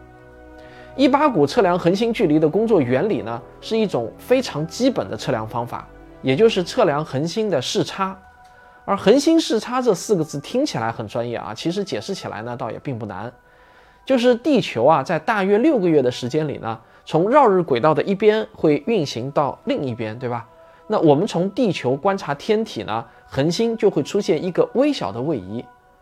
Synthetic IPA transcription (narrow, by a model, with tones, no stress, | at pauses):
i˥pa˥ku˨˩ʈ͡ʂʰɤ˥˩ljɑ˧˥ŋxə˧˥nɕ̬i˥nt͡ɕy˥˩li˧˥d̪ə˨kʊ˥ŋt͡swɔ˥˩ɥɛ˧˥nlḭ˨˩nə˦ | ʂɻ̩˥˧i˥˩ʈ͡ʂʊ˨˩ŋfe˥ɪʈ͡ʂʰɑ˧˥ŋt͡ɕi˥pə˨˩nd̪ə˦ʈ͡ʂʰɤ˥˩ljɑ˧˥ŋfɑ˥ŋfa̰˨˩˦ | jɛ˨˩t͡ɕjo˥˧ʊʂɻ̩˥˧ʈ͡ʂʰɤ˥˩ljɑ˧˥ŋxə˧˥nɕi˥nd̪ə˨ʂɻ̩˥˩ʈ͡ʂʰa˥ | ə˞˧˥xə˧˥nɕi˥nʂɻ̩˥˩ʈ͡ʂʰa˥ʈ͡ʂɤ˥˧sɹ̩˥˩ɡə˩t͡sɹ̩˥˩t̪ʰi˥ŋt͡ɕʰi˨˩la̰˧˥ɪxə˨˩nʈ͡ʂwa˥njɛ̰˥˩ʔɐ̰˩t͡ɕʰi˧˥ʂ̬ɻ̩˧˥t͡ɕjɛ˨˩ʂɻ̩˥˩t͡ɕʰi˨˩la̰˧˥ɪnə˧t̪ɑ˥˩ʊjɛ̰˨˩pi˥˧ŋpu˥˩na̰˧˥n | t͡ɕjo˥˧ʊʂ̬ɻ̩˥˧t̪i˥˩t͡ɕʰjo˧˥ʊɐ˧t͡sa˥˧ɪt̪a˥˩ɥɛ˥ljo˥˩ʊɡə˩ɥɛ˥˩d̪ə˩ʂɻ̩˧˥t͡ɕjɛ˥nlḭ˨˩nə̰˦ | t͡sʰʊ˧˥ŋɻɑ˥˧ʊɻ̩˥˩kwe˨˩ɪt̪ɑ˥˩ʊd̪ə˩ʔi˥˩pjɛ˥nxwe˥˧ɪy˥˩nɕi˧˥ŋt̪ɑ˥˧ʊli˥˧ŋi˥˩pjɛ˥nt̪we˥˩bɐ˩ | na˥˩wɔ˨˩mə˦nt͡sʰʊ˧˥ŋt̪i˥˩t͡ɕʰjo˧˥ʊkwa˥nʈ͡ʂʰa˧˥t̪ʰjɛ˥nt̪ʰi˨˩nə̰˦ | xə˧˥nɕi˥nt͡ɕjo˥˧ʊxwe˥˩ɪʈ͡ʂʰu˥ɕjɛ˥˩ni˧˥ɡə˧we˥ɪɕjɑ˨˩ʊd̪ə˦we˥˩ɪi˧˥